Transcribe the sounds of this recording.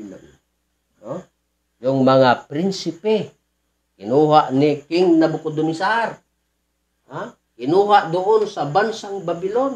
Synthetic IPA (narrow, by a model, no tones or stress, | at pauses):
a | o | joŋmaŋapɾinsipe | kinuɦaʔnikiŋnabukod̪unisar | a | kinuɦaʔd̪oʔonsabansaŋbabilon